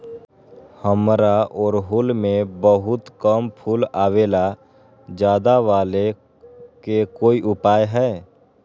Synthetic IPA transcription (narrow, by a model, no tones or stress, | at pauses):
həmɾaʔɔːɾɦʊlmẽbəɦʊt̪kəmpʰulaːweːla | d͡ʒjaːd̪aʋaːle | kekoːiʔʊpaːjɦɛ